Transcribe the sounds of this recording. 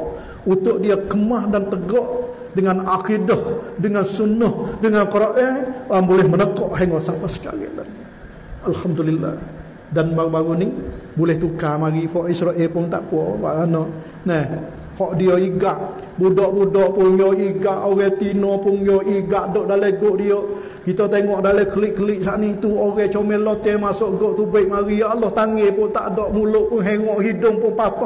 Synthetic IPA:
ut̪ʊʔdiəkəmahdant̪əɡɔʔ | dəŋanakidɔhdəŋansunʊhdəŋankɔɾɔʔeambolɛhmənəkɔʔɦaŋɡosapəsə̥ka̰lɪ̰dan | alhamdulilːa̰h | danbaubaɡunɪŋbulɛht̪ukamaɡifɔʔisɾoʔɛlpʊŋt̪a̰ʔpɔwa̰ʔənɔʔ | nɛh | hɔʔdioiɡaʔ | budɔʔbudɔʔpʊŋjɔiɡaʔoɣɛt̪inɔpʊnjoʔiɡaʔdɔʔdalɛɡoʔdio | kit̪ɔt̪eŋɔʔdalɛkəlɪʔkəliʔsaʔnit̪uoɣɛht͡ʃomɛlot̪ɛmasoʔɡoʔt̪ubəʔmaɾialɔht̪aŋepɔʔt̪a̰ʔdɔʔmulʊʔpʊŋɦeŋɔʔhidʊŋpʊŋpat̪ɔʔ

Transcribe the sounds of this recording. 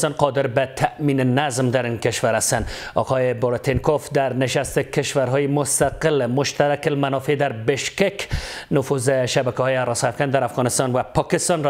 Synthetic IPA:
st̪ɒnqɒd̪ɪɾbat̪ʰaʔminenazmd̪aɾinkeʃwaɾast̪anɒ̰qʰɔjeboɾt̪ʰenkofd̪aɾnɪʃast̪ekɪʃwaɾɦɔjemʊst̪aqɪlmʊʃt̪aɾakɪlmanɔfed̪aɾbɪʃkeknʊfuzɪʃabakahɔjeaɾɔsafɡand̪aɾafɣɒnɪst̪ɒnvapʰɒkɪst̪ɒnɾ

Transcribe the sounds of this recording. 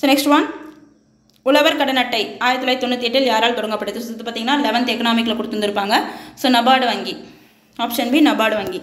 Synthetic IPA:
soːnɛksʈʋɐn | ʊlɐʋɐɾkɐɽɐnɐʈːɐɪaːjɪɾɐt̪ːɪlaːjt̪ɔnːɯt̪ːiɛʈːɪljaːɾaːlt̪ɔɽɐŋɡɐpːɐʈːɯðɯsɔɐt̪ːɯpːaːɾt̪iːŋɡɐnːaːlɛʋɐnt̪ɛkːɐnaːmɪk̬ːɪlɐkʊɽɯt̪ːɯnd̪ɪɾɯpːaːŋɡɐsoːnɐbaːɽɯʋɐŋɡi | aːpʂɐnbinɐbaːɽɯʋɐŋɡi

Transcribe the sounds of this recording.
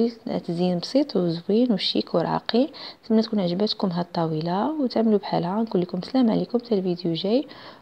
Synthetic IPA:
ḭt̪zinbsˤit̪ˤwzwinwʃḭkuwɾˤɑ̰qit̪əmːæt̪kunʕʒəbæt̪kʊmɦæt̪ˤːɑwilawt̪aʕməlubħalhankulːikʊmslæmʕlikʊmt̪ælvid̪juʒæj

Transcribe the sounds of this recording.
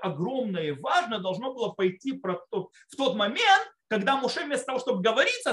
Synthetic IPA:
ɐɡɾo̞mnəjəvaʐnəd̪ɐlˠʐno̞bɨlˠəpɐjtʲːipɾɐtt̪o | ft̪o̞t̪mɐmʲent̪̚kɐɡd̪amʊʂɛvʲmʲest̪ət̪ɐvoʂt̪o̞bɨɡəvɐɾʲit̪sːə

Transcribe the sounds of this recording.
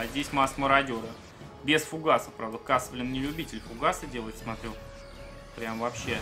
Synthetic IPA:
zʲdʲesʲmask̪məɾɐdʲoɾə | bʲɪsfʊɡasəpɾavd̪əkasəvlʲɪnnʲɪlʲʊbʲitʲɪlʲfʊɡasədʲe̞lˠəjɪt̪smɐt̪ɾʲu | pɾʲamvɐpɕːe̞

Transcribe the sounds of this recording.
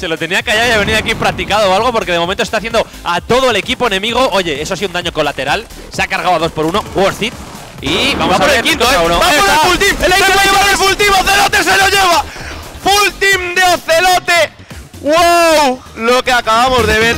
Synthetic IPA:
se̞lo̞t̪e̞niakaʝawjaβe̞niðakimpɾak̚t̪ikaðoalɣ̞o̞po̞ɾkeð̞emomẽnt̪ost̪aθjend̪o | at̪o̞ðoe̞le̞kipo̞e̞nẽ̞miɣ̞oʔo̞ʝe̞es̬oas̬iðund̪aɲo̞kolat̪e̞ɾal | seakaɾɣawaðospo̞ɾuno̞ɣoɾθit̪̚ | iβamossaβɾekink̪oaunoaofult̪imelejeaɾelfult̪imoθelot̪eseloʝeβ̞afult̪imd̪eoθe̞lot̪e̞ | wwaw | lo̞keakaβamo̞zðe̞βeɾ

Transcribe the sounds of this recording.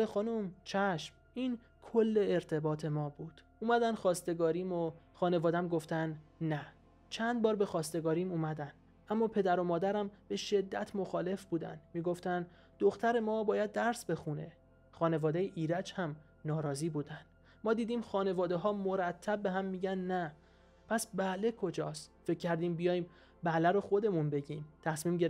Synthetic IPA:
exɒːnuːmt͡ʃʰæʃm | iːn | kʰolːe̞ːɾt̪ʰe̞bɒːt̪ʰe̞mɒːbuːd̪̥ | uːmæd̪ænd̪xɒːst̪e̞ɡɒːɾiːmoxɒːne̞vɒːd̪æmɡoft̪ænd̪næ | t͡ʃʰænd̪̚bɒːɾbe̞xɒːst̪e̞ɡɒːɾiːmuːmæd̪ænd̪̥ | ʔæmːɒːpʰe̞d̪æɾomɒːd̪æɾæmb̥e̞ʃe̞d̪ːæt̪ʰmoxɒːle̞fbuːd̪æ̰nd̪miːɡo̞ft̪ænd̪ | d̪̥oxt̪ʰæɾe̞mɒːbɒːjæd̪̚ːæɾsbe̞xune̞̰ | xɒːne̞vɒːd̪ejeʔiːɾæt͡ʃhæm | nɒːɾɒːziːbuːd̪ænd̪̥ | mɒːd̪iːd̪iːmxɒːne̞vɒːd̪e̞ɦɒːmoɾæt̪ʰːæb̚ːe̞ɦæmːiːɟænd̪næ | pʰæsbæle̞kʰo̞d͡ʒɒːst̪fe̞cʲʰːæɾd̪iːmbijɒːjiːm | bælæɾo̞xo̞d̪e̞munbe̞ɟiːmt̪ʰæsmiːmɟe

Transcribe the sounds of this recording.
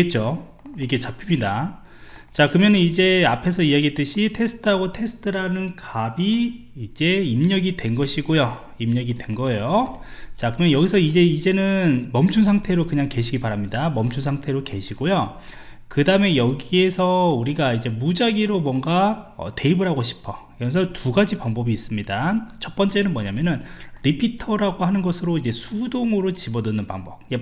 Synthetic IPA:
et̚t͡ɕ͈o | ikʰet͡ɕapʰimɲida | t͡ɕakɯʌmjʌnɯnid͡ʑe̞apʰe̞sʰʌijaɡiet͈ɯɕʰitʰe̞sʰɯ̥tʰɯɦaɡotʰe̞sʰɯ̥tʰɯɾanɯnkabiːd͡ʑe̞imɲʌɡidwe̞nɡʌɕʰiɡojo | imɲʌɡidwe̞nɡʌe̞jot͡ɕakɯɾɯmjʌnjʌɡisʰʌid͡ʑe̞id͡ʑe̞nɯnmʌmt͡ɕʰunsʰaŋtʰe̞ɾokɯɲaŋke̞ɕʰiɡipaɾamɲidamʌmt͡ɕʰunsʰaŋtʰe̞ɾoke̞ɕʰiɡojo | kɯdaɯme̞jʌɡie̞sʰʌuɾiɡaid͡ʑe̞mud͡ʑaɡiɾomwʌŋɡaʌ̰te̞ibɯɾɦaɡoɕʰi̥pʰʌkɯɾʌns̬ʰʌtuɡad͡ʑipaŋbʌbiːs͈ɯmɲidat͡ɕʰʌp͈ʌnt͡ɕ͈e̞nɯnmʌɲamjʌnɯnɾipʰitʰʌɾaɡohanɯnɡʌsʰɯɾoid͡ʑesʰudoŋɯɾot͡ɕibʌdɯnɯnpaŋbʌp̚je

